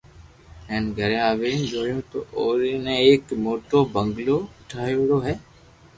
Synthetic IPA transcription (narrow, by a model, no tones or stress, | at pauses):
ɛ̃ːnɡʱəɾẽːaːʋeːnd͡ʒoːɽjũːt̪o̰ːʔoːɾinẽeːkmoːʈoːbə̃ŋɡloːʊʈʰaːoɽoːɦɛː